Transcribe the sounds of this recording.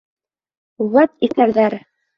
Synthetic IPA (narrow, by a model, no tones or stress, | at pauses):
wæt̪̚iθæɾðæɾ